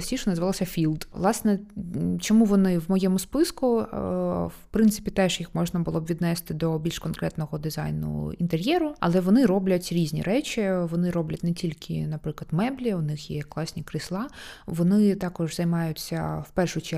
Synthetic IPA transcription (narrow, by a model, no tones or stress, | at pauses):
sʲiʃɔnɐzɪʋɑlˠɔsʲɐfʲilˠd̪ʋlˠɑsnɛt͡ʃɔmuʋɔnɪwmɔjɛmʊspɪskʊ | wpɾɪnt̪ɪ̥pʲit̪ɛʒjixmɔʒnɐbʊlˠɔbʋʲid̪nɛst̪ɪd̪ɔbʲilʲʃkɔnkɾɛt̪nɔɦɔd̪ɪzɑ̰jnʊ̰ḭnt̪eɾʲjɛɾʊɐ̰lˠɛʋɔnɪɾɔblʲɐtʲɾʲizʲnʲḭɾɛt͡ʃʲiʋɔnɪɾɔblʲɐtʲnɛtʲilʲkʰɪ̰nɐpɾɪklˠɐd̪mɛblʲiʊnɪxjɛklˠɑsʲnʲikɾɪslˠɑʋɔnɪt̪ɑkɔʒzɐjmɑjʊt͡sʲːɐ̰wpɛrʂʊt͡ʃɛ